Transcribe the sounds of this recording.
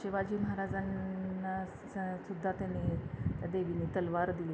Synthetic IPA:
ɕeʋad͡ʑiːməɦaɾad͡zanːa | sud̪ʱːat̪anet̪jad̪eʋinit̪əlʋaɾd̪ile

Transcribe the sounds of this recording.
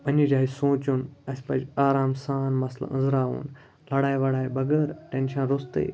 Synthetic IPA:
pɐnid͡ʒaːisõːt͡ʃunɐsʲpɐd͡ʒaːɾaːmsaːnmɐslɐ̰ə̰nzɾaːʋṵːn | lɐɽaːjʋɐɽaːjbɐɡəɾʈẽnʃɐ̃nɾʊst̪ḛː

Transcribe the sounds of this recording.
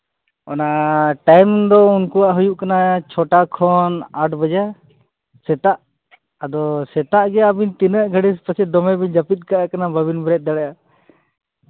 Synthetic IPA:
ɔ̰naʔʈajmd̪ɔunkuwaʔɦujuʔkanat͡ʃʰɔʈakʰɔnaɖbəd͡ʒa | sɛt̪aʔ | əd̪ɔsɛt̪aʔɡɛabint̪inəʔɡʱəɽispəsɛd̪ɔmɛbid͡ʒapit̪̚ˀkaʔakanabəbinbɾɛt̪̚d̪əɽɛja

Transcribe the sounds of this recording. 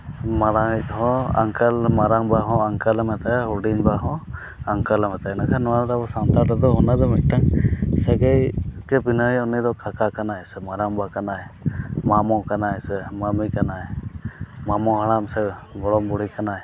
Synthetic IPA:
maɾaŋc̚ˀɦɔ̃a̰ŋkəlmaɾaŋbaɦɔ̃aŋkəlamɛt̪aɦuɖiɲbaɦɔ̃ | aŋkəlamɛt̪aɛnakʰanɔwanɾabɔsant̪aɾad̪ɔɦɔnad̪ɔmɛʈaŋsɛɡəjkɛbinəiɔnid̪ɔkʰakakanaɛsɛmaɾaŋbakanaɛmamɔkanaɛsɛmamikanaɛ | mamɔɦaɽ̃amsɛɡɔɽɔmbɔɽ̤ikanaɛ

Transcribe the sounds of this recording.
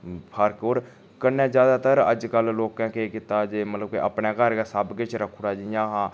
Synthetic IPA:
pʰəɾkoːɾ | kənːẽːd͡ʒjaːd̪aːt̪əɾəd͡ʒkəlloːkãːkekɪt̪aːd͡ʒeːmət̪ləb̚keʔəpneːkəɾkasəbɡet͡ʃʰɾəkʰːɽaːd͡ʒɪjãːɦãː

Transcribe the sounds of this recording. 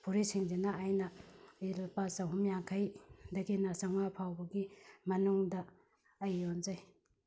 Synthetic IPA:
pʰuɾisiŋd͡ʒenaajnɐiɾapasɐɦumjaŋkʰɐjdɐɡinɐsaŋapʰawbɐɡimɐnuŋdɐː | jːonzɐj

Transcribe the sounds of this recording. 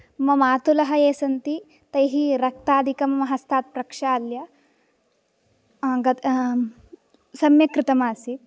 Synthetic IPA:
mɐmaːt̪ulɐɦɐeːsɐnt̪i | t̪ɐjɦiɾɐk̚t̪aːd̪ʱikɐmɐmɐɦɐst̪ʰaːt̪̚pɾɐkʂaːljɐ | ɡɐ | sɐmjɐkɾɪt̪ɐmaːsi

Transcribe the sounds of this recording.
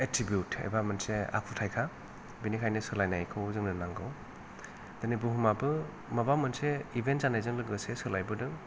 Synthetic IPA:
etɾibjutḛbamɯnsea̰kʰutʰajkʰa | binikʰajnɯsɯlajnajkʰɯwzɯŋnɯnaŋɡɯw | d̥̪ɯnibuɦumabɯ | mɐbamɯnseibʱentzanajzɯŋlɯɡɯsesɯlajbɯdɯ

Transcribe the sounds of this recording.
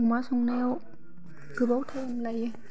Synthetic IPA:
umasuŋnew | kɯbowt̪ʰajamlaj

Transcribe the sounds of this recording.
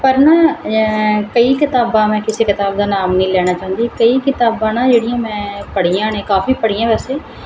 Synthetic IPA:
pəɾnaː | kəiːkɪt̪aːbãːmɛ̃ːkɪsikɪt̪aːbd̪aːnaːmnəĩːlɛːnaːt͡ʃaːɦə̃nd̪iːkəiːkɪt̪aːbãːnãːd͡ʒeːɽijãːmɛ̃ːpəɽ̤ijãːnẽːkaːfiːpəɽ̤ijãːʋɛːseː

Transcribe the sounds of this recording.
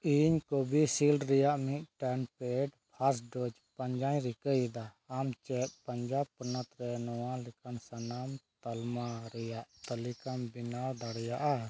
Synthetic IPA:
iɲkobisilɖɾɛjaʔmiʔʈɛnpɛɖpʰasɖod͡ʒ | paɲd͡ʒaɲɾikəjd̪aː | mt͡ʃɛt̪̚pəɲd͡ʒab̚pənət̪ɾɛnɔwãlɛkansənamt̪almaɾɛjaʔt̪əlikambinawd̪aɽjaʔa

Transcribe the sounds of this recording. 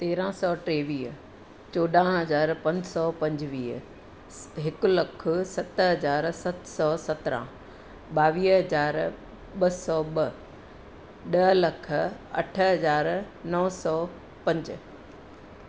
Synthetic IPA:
t̪eːɾãsɔːʈɾeːʋiːɦ | t͡ɕoːɗãɦɐzaːɾpɐ̃ɲd͡ʑsɔːpɐ̃ɲd͡ʑʋḭː | ɦɪkʊ̆lɐkʰʊsɐt̪ɦɐzaːɾsɐt̪sɔːsɐt̪ɾã̰ | ɓaːʋiːɦɐzaːɾ | ɓɐsɔːɓɐ | ɗɐɦlɐkʰə̆ɐ̰ʈʰəɦɐzaːɾ | nɐʋsɔː | pɐ̃ɲd͡ʑ

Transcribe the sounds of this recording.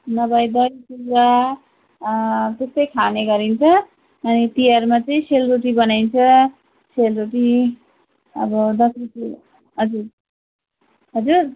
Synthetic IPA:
nʌbajd̪ʌɾipura | t̪est̪ʌjkʰaneɡʌɾint͡sʰʌː | nit̪iaɾmat͡sʌĩselroʈibʌnajnt͡sʰʌ | selroʈi | ʌ̰bʌd̪ʌsɾisu | ɦʌd͡zur | ɦʌd͡zur

